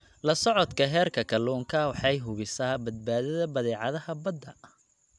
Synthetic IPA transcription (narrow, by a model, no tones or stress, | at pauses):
lɐsɔʕɔd̪kʰɐɦɛːrkʰɐkʰɐluːŋkʰɐwɑħɑjɦʊβɪsaːbɐd̪̚baːðɐðɐbɐðɛːʕɑðɐhɐbɐd̪ɐ